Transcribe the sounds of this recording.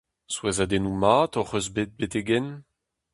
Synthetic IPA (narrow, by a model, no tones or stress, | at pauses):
swɛzad̪enumaːt̪ɔʁøzbet̪̚bet̪eɡɛn